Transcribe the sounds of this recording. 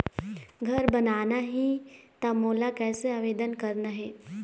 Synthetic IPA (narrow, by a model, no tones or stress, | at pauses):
ɡʱəɾbənaːnaɦit̪amoːlakɛːseaːʋeːd̪ənkəɾnaɦeː